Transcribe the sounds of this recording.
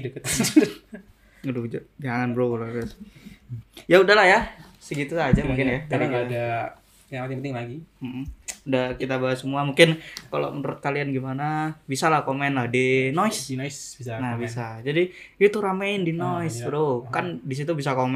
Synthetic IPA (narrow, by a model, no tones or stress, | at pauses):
dəkət̪ | ɡədud͡ʒd͡ʒaŋaŋanbɾoloas | jaudaɦlahjasəɡit̪usad͡ʒamuŋkɪnjaaiɡda | apat̪ɲapənt̪ɪŋlaɡim̩hm̩udahkit̪abaasəmuamuŋkɪnkalo̰mənuɾʊt̪̚kalianɡimanabisalahkomɛnlahdinɔɪssinahbisad͡ʒadiut̪uɾamaɪndinoɪsbɾokandis̬it̪ubis̬akomɛ